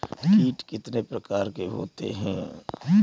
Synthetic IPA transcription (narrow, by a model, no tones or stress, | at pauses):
kiːʈkɪt̪nepɾəkaːɾkeɦo̰ːt̪ḛɦɛ̰̃